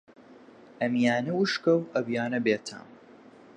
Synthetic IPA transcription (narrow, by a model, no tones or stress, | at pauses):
ʔɐmjaːnɐwuʃkɐwʔɐbjaːnɐbeːt̪ʰa̰ːm